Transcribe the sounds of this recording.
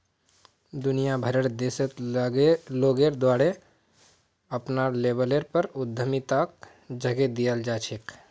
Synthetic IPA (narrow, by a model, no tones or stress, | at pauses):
d̪ʊnijabʱəɾəɽd̪esət̪ | loːɡeɾd̪waːɾe | əpnaleːbəleɾpəɾʊd̪ʱːəmit̪ak̚ | d͡ʒəɡed̪ijəld͡ʒaːt͡ʃʰek